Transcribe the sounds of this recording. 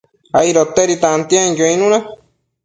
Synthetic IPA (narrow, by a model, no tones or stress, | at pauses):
aiɾot̪eɾit̪ãnt̪iãĩd͡ʒoĩnũnã